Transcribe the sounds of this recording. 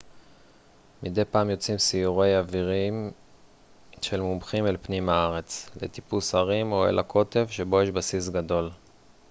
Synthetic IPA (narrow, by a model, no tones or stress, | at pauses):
mid̪e̞jpaːmjo̞t͡simsiuʁejaviʁim | ʃe̞lmumχimelpnimaaʁe̞t͡slḛt̪ipusaʁimo̞ḛlʔakʰo̞t̪e̞vʃe̞bo̞jeʃbasis̬ɡad̪o̞l